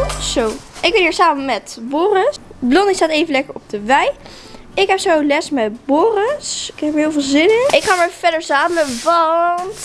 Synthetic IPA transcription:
sowʔɪk̚ɡbɛniːɹsaːmənmɛtboːrəsblɔnistaːtejvənlɛkəɹɔb̚dəʋɛj | ɪkɦɛpsowlɛsmɛtbʊːrəsɪkɦɛpəɹɦɪːlˠvɪːlˠzɪnəɪkχaːmaɹfɛdəɹsaːməʋɑnt

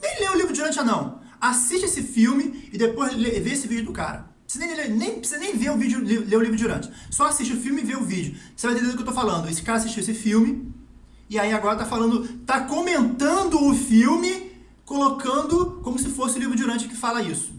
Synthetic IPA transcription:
nẽj̃leʊlivɾʊd͡ʒiuɾɐ̃t͡ʃɪanɐ̃w̃ | asiʃt͡ʃɪesɪfiwmɪːd̪epojzleveesɪvid͡ʒʊd̪ʊka̰ɾɐ̰ | sɪnẽj̃lenẽj̃pɾɪsizɐnẽj̃veʊvid͡ʒʊlivleʊlivɾʊd͡ʒuɾɐ̰̃t͡ʃɪ̥sɔasiʃt͡ʃɪʊfiwmɪɪveʊvid͡ʒʊosevajt̪ed̪ed̪ʊkewt̪ofalɐ̃nd̪ʊesɪ̥kaɾɐasiʃt͡ʃiuesɪfiwmɪ | ɪaiaɡɔɾɐt̪afalɐ̃nd̪ʊt̪akõmẽnt̪ɐ̃nd̪ʊːfiwmɪ | kolokɐ̃nd̪ʊkõmʊsɪfosɪʊlivɾʊd͡ʒiuɾɐ̃nt͡ʃɪkɪ̥falɐisʊ̥

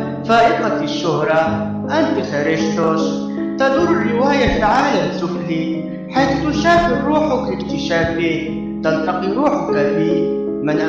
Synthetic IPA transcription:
faːʔɪqɑkɪʃːʊɦɾˤɑ | ʔant̪ixaɾɪʃt̪ʊʃ | t̪ad̪uɾˤɪrːɪwaːjafaʕaːlasʊbhi | ħejθt̪ʊʃaːfɪɾɾuːħʊkɪkt̪ɪʃaːfi | t̪alt̪ɑqiɾuːħʊkafimanʔ

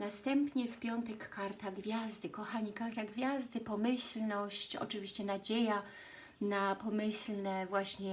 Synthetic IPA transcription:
nast̪ɛmpɲɛfpʲjɔnt̪ɛkːaɾt̪aɡvʲjazd̪ɘkɔxaɲikaɾt̪aɡvʲjazd̪ɘpɔmɘɕlnɔɕt͡ɕɔ̰t͡ʂɘvʲiɕt͡ɕɛnad͡ʑeja | napɔmɘɕlnɛvwaɕɲɛ

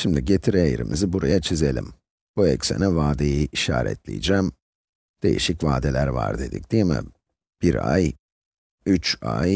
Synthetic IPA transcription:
ʃimd̪iɟe̞t̪ʰiɾejiɾimḭzibuɾajat͡ʃʰize̞lʲḭm | buɛcsḛnivaːd̪ejiʔiʃa̰ːɾɛ̰t̪lʲḭjd͡ʒæːm | d̪̥e̞̰jḭʃicvaːd̪elʲæɾva̰ɾd̪e̞d̪ḭc̚d̪̥ijmɪ̰ | b̥iɾa̰j | yt͡ʃa̰j

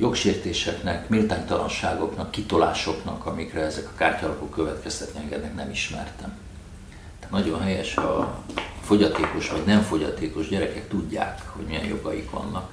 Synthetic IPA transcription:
jo̞kʃeːrt̪eːʃɛknɛkmilt̪aːɲt̪ɒlɒ̰nʃaːɡo̞knɒkːit̪o̞la̰ːʃo̞knɒkɒmikrɛɛzɛkɒ̥kaːrcɒːlɒko̞kːøvɛt̪kɛst̪ɛt̪niɛŋɡɛd̪nɛknɛmiʃmɛ̰rt̪ɛm | t̪ɛnɒɟo̞nɦɛjɛʃɒ | fo̞ɟɒt̪eːko̞ʃʋɒɟnɛɱfo̞ɟɒt̪eːko̞ʒɟɛɾɛkɛkt̪uɟːa̰ːkhoɟmijɛ̰njo̞ɡɒjḭkʋɒ̰nːɒk

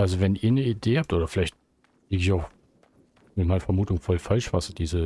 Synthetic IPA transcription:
ʔalzovɛnʔiːɐnəideːhap̚tʔoːdɐfɪlaɪçt̚ | iːɡɪçaʊx | mɪtmaɪnɐfɛɐmuːtʊŋfɔlfalʃv̥asd̥iːzə

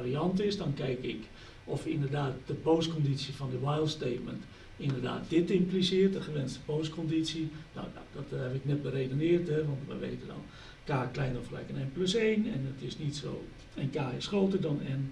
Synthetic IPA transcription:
riɑntɪsdɔnkɛjkɪk | ɔfindərdaːt̚d̥əpoːskondisjiəfɔndəwajlˠtsteːt̚mənt | indərda̰ːt̚d̥ɪtimplisɪərtəxəʋɛnstə̥poːskɔndisjina̰ | dɔthɛvɪknɛt̚bəreːdonɪːərtɛʋɔntʋɛ̰jʋḛːtədɔ̰n | kaːklɛjnɔflɛ̰jkənenpløseːnɛnətɪsnitso̰ː | ənkaːɪsxroːtərdɔnɛn

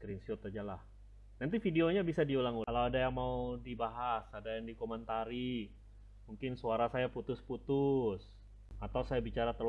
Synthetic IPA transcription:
kɾinsut̪ad͡ʒalah | nant̪ifideoɲabisadiulaŋulawadajaŋmaudibaɦasadajaŋdikomɛnt̪aɾi | muŋkɪnsuaɾasajaput̪ʊsput̪ʊs | at̪awsajabit͡ʃaɾat̪ər

